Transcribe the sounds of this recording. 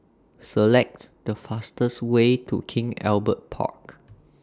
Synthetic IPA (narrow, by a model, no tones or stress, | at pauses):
səlɛk̚t | d̥əfastəswetʰṵkʰɪ̃ŋɛ̰lbət̚pʰa̰k